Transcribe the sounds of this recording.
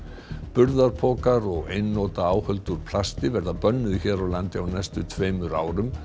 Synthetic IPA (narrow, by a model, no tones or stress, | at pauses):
pʏɾðaɾpʰɔːkaɾɔɣejnːoːt̪aaːwhœlt̪ʏɾ̥pʰlast̪ɪvɛɾðapœnːʏðçɛːɾawlant̪ɪawnɛst̪ʏt̪ʰveːjmʏɾa̰ːwɾʏm